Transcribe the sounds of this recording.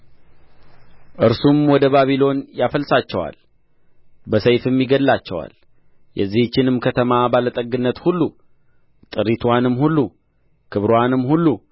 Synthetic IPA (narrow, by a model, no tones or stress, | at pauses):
ʔɨɾsumwɔd̪əbaβilo̞njafəlsat͡ʃːɛwa̰l | bəsəjfɨmjiɡəllat͡ʃːɛwa̰l | jʔɛ̰zːiht͡ʃːɪnɨmkʰət̪ʰəmabalət̪ʼəɡɨnːət̪hulːu | t̪ʼɨɾit̪ʰwanɨmhulːu | kʰɨβɾowanɨmhulːu